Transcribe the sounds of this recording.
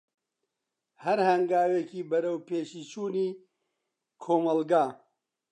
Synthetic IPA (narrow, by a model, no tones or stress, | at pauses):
hɐɾhɐŋɡaːweːkiːbɐɾɐwpʰeːʃiːt͡ʃʰuːniː | kʰoːmɐlɡaː